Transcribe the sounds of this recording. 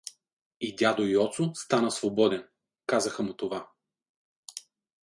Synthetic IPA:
id̪ʲad̪oiɔt̪sʊst̪anəsvobɔd̪ɛn | kazəxəmʊt̪ova

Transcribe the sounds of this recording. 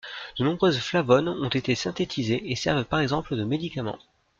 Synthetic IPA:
d̪̥ənɔ̃bʁøzflavɔnɔ̃t̪et̪esɛ̃t̪et̪ʰizeesɛʁvəpaʁɛɡzɑ̃pləd̪əmed̪ikamɑ̰̃

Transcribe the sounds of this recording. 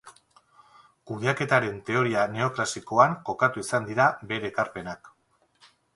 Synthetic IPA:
kuð̞eake̞t̪aɾe̞nt̪e̞o̞ɾiane̞o̞kɾasiko̞aŋko̞kat̪uisand̪iɾabe̞ɾeːkaɾpe̞nak

